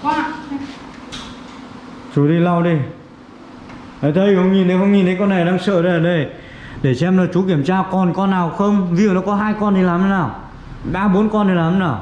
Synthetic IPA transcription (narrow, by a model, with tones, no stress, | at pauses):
t͡ɕu˨˦ɗi˧la˧wɗi˧ | ə˨˩jt̪ʰə˧jhə˧wŋ͡mɲi˨˩nt̪ʰe˨˦whə˧wŋ͡mɲi˨˩nt̪ʰe˨˦kɔ˧nːa˨˩jɗaː˧ŋsə̰ː˧˨ɗə˧jəː˨˩ɗə˧˩j | ɗe˧˩sɛ˧mnaː˨˩t͡ɕu˨˦ki˧˩əmt͡ɕaː˧kɔ˨˩nkɔ˧nːaː˨˩wxə˧wŋ͡mvṵ˨nɔ˨˦kɔ˨˦ɦaː˧jkɔ˧nt̪ʰi˨˩laː˨˩mə˨˦naː˨˩w | ɓaː˧ɓo˨˦ənkɔ˧nt̪i˨˩laː˨˩m˧˦naː˨˩w